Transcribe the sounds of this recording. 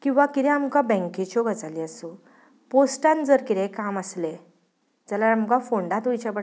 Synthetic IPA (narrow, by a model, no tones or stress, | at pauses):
kĩw̃ʋakiɾɛ̃amkabɛ̃ŋkit͡ɕɔɡət͡saliəsu | posʈãnd͡zəɾkiɾekaməsle | d͡zalaamkafoɳɖãt̪ujt͡ɕapə